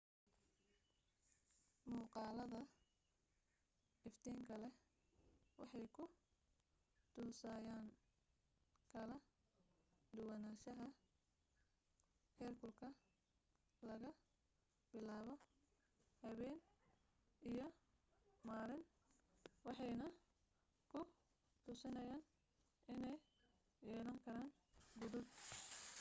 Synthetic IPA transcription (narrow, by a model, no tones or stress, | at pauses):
muːqɑːlɐðɐ | ɪft̪ʰɛːŋkʰɐlɛ | wɑ̰ħɑjkʰʊ | t̪ʰuːsaːjaːn | kʰɐlɐ | d̪ʊwɐnaːʃɐɦɐ | hɛːrkʰʊlkʰɐ | lɐɣɐ | b̥ɪlaːβɔ | hɐβɛjn | ʔijɞ | maːɾɪn | wɑħɑjnɐ | kʰʊ | t̪ʰʊsɪnɐjaːn | ɪnɛj | jɛːlɐŋkʰɐɾaːn | ɡʊðʊd